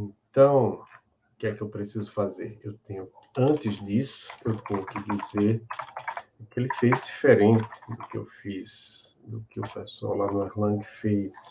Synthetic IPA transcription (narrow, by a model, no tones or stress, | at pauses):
ẽt̪ɐ̃w̃ | kɪɛkɪewpɾesizʊfazeɾewt̪ẽɲʊ | ɐ̃nt̪ɪzd̪isʊ̥ewt̪ẽɲʊkɪd̪izeɾ | kelɪfejzd̪ifeɾẽnt̪ɪ̥d̪ʊkɪḛwfisd̪ʊkɪʊ̰pesa̰wlanʊiɾlɐ̃ɡɪfejs